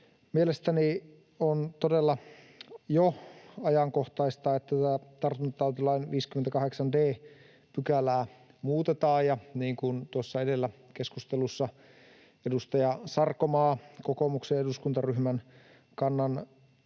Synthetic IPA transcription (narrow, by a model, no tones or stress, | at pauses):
mielest̪æni | ont̪odelːɑ | joɑjɑŋkoht̪ɑist̪ɑːet̪ːæt̪æːt̪ɑrt̪ːunt̪t̪ɑut̪ilɑinʋiːskyment̪ækɑheksɑndeː | pykælæː | muːt̪et̪ɑːjɑniːŋkunt̪uosːɑedelːækeskust̪elusːɑ | edust̪ɑjɑsɑrkːomɑːkokomuksejeduskunt̪ɑryhmæn | kɑnːɑn